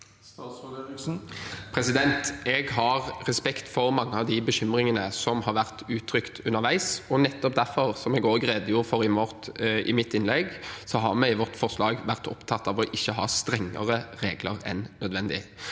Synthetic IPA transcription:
pʰɾɛsɪd̪ɛnt̪ɛːɡɦɑʁɾɛspɛkt̪fɔɾmɑŋːəɑʋd̪ɪbəɕʏmɾɪŋənəsɔmhɑɾʋæʁt̪ʉːt̪ʰɾʏkt̪ʰʉnːəʁʋæɪsɔnɛt̪ːɔp̚d̪æɾfɔʁsɔmɛɡoːɡʁɛːd̪əjuːɾfɔɾɪmɔʁt̪ɪ̰mɪt̪ːɪnlɛɡsɔɦɑʁmɛɪʋɔt̪fɔʁslɑːɡʋæʁt̪ɔpt̪ʰɑt̪ːɑʋɔʔɪçːəɦɑ̰ːst̪ɾɛŋːə̰ʁəɾeːɡləʁɛ̰nːœd̪ʋɛnd̪ɪ̰

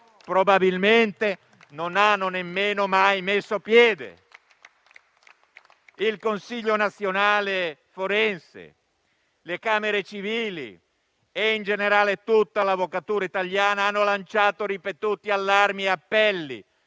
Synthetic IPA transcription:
pɾobabilment̪e | nonanːonemːeːnomajmesːopjɛːd̪ḛ | ilkonsiʎːonat̪sːjonaːle | foɾɛnsḛ | lekaːmeɾet͡ʃiviːlḭ | eind͡ʒeneɾaːlet̪ut̪ːalavokat̪uːɾait̪aljaːnaanːolant͡ʃaːt̪oɾipet̪uːt̪ialːarmieapːɛlːḭ

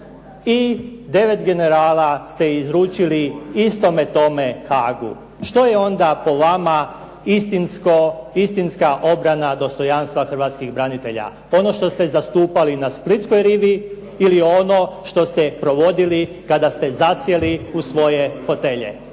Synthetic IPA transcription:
id̪e̞ʋe̞t̪ɡe̞ne̞ɾaːlast̪e̞izɾuːt͡ʃiliist̪o̞me̞t̪o̞me̞xaːɡṵ | ʃt̪o̞jeo̞nd̪apo̞ʋama | ist̪inskoist̪inskaʔo̞bɾanad̪o̞st̪o̞janst̪ʋaxr̩ʋaːt̪skiɣbɾanit̪e̞ʎa̰ | o̞no̞ʃt̪o̞st̪e̞zast̪uːpalinasplit̪sko̞jɾiʋiː | lio̞no̞ʃt̪o̞st̪e̞pɾo̞ʋo̞d̪ili | kad̪ast̪e̞zasje̞liusʋo̞je̞fo̞t̪e̞ʎḛ

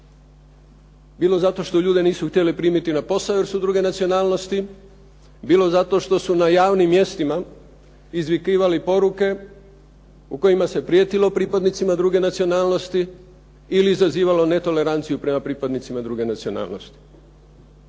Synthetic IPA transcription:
biːlo̞zat̪o̞ʃt̪o̞ʎuːd̪e̞niːsuxt̪je̞lepɾiːmit̪inapo̞saʋeɾsud̪ɾuːɡe̞nat̪sio̞naːlˠno̞st̪i | biːlo̞zat̪o̞ʃt̪o̞sunajaːʋnimːje̞st̪ima | izʋikiːʋalipo̞ɾuke̞ | uko̞imase̞pɾijeːt̪ilo̞pɾipad̪nit̪simad̪ɾuːɡe̞nat̪sio̞naːlˠno̞st̪i | iliːzaziːʋalo̞ne̞t̪o̞le̞ɾant̪sijupɾe̞mapɾiːpad̪nit̪simad̪ɾuːɡe̞nat̪sio̞na̰ːlno̞̰st̪i̥

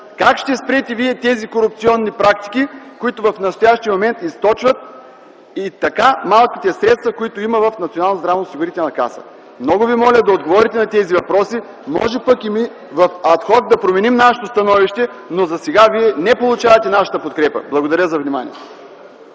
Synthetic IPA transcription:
kakʃt̪ɛspɾɛt̪ɛviɛt̪ɛzikoɾup̚t̪siɔnːipɾak̚t̪i̥kikʊit̪ʊvɐfnɐst̪ojaʃt̪ijəmomɛnt̪ist̪ɔt͡ʃvɐt̪̚ | it̪ɐkamalˠkʲit̪ɛsɾɛt̪st̪vɐkoit̪ʊimɐvɐfnɐt̪sioalˠnzd̪ɾavnosiɡʊɾit̪ɛlˠnɐka̰sə̰ | mnɔɡʊvimɔlʲəd̪ɐod̪ɡovɔɾit̪ɛnɐt̪ɛzivɐpɾɔsi | mɔ̰ʒɛpəkimi | vɐfɐt̪xɔt̪̚d̪ɐpɾomɛnimnaʃɛ̥t̪ost̪ɐnɔviʃt̪ɛ | nozɐsɛɡaviɛnɛpolˠʊt͡ʃavɐt̪ɛnaʃə̥t̪əpot̪̚kɾɛpə̰blˠɐɡod̪ɐɾʲjəzɐvnima̰nḭɛ̰t̪

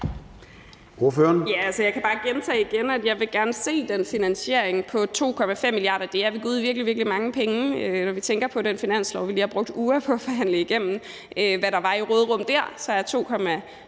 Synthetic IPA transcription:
o̝ɐføːɐnjæælsəjɑ̈ɪkʰæb̥ɑ̈ːɡ̥ent͡sʰɛ̰ːiɡ̥enæd̥jɑ̈ɪʋe̝ɡ̥æɐnəse̝̰ːd̥enfinænɕe̝ɐ̰eŋpʰɒ̽t͡sʰo̝̰ːkʰɒ̽mæfem̰ːilijɑ̰̈ːdɐd̥e̝æɐʋiɡ̥uð̰ˠʋiɐɡ̥liʋiɐɡ̥limɑ̈ŋəpʰeŋəønɒʋit͡sʰeŋ̰ɡ̥ɐpʰɒ̽ɾenfinæn̰slɒʊʋiliːhæb̥ʁɔ̽ɡ̥̚d̥uːɐpʰɒ̽æfɒɦæn̰ləiɡ̥em̰n̩ | øʋæɾɑ̈ʋɑ̈iʁɔːð̞̩ˠʁɔ̽m̰d̥æɐ̰sɒ̽jt͡sʰo̝̰ːkʰɒ̽mæ

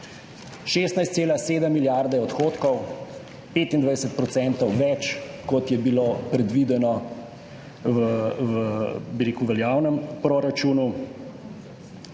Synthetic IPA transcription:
ʃeːst̪najst̪seːlaseːd̪əmːiljaɾd̪ɛɔt̪xoːt̪kɔw | peːt̪ind̪ʋajd̪ɛsət̪̚pɾɔt̪sɛnt̪ɔwʋɛt͡ʃkɔt̪jɛbilopɾɛd̪ʋid̪ɛnɔ | ʋəʋəbiɾeːkuwʋɛljaːwnəmpɾoɾat͡ʃuːnu

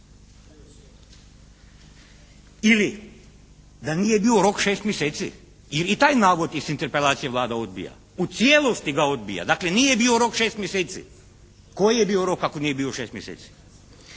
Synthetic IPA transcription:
ili | d̪anijebioɾo̞kʃeːst̪mjeseːt̪sḭ | jeɾit̪aːjnaːʋot̪isint̪eɾpelˠaːt̪sijeʋlaːd̪ao̞d̪̚bḭja̰ | ut̪sjelˠost̪iɡao̞d̪̚bḭja̰d̪aːkle̞nije̞bioɾo̞kʃeːst̪mjeseːt̪sḭ | kojijebiːo̞ɾo̞kakonije̞biːoʃeːst̪mjeseːt̪si̥

